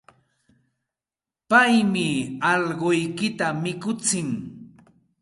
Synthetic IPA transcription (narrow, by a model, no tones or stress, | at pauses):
pajmɪɑʎɢojkɪt̪amɪkʊt͡sɪŋ